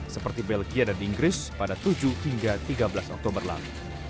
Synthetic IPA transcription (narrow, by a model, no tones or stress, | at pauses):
səpərt̪ibɛlɡiadaniŋɡɾɪspadat̪ud͡ʒuhiŋɡat̪iɡabəlasɔk̚t̪ɔmbərla̰lu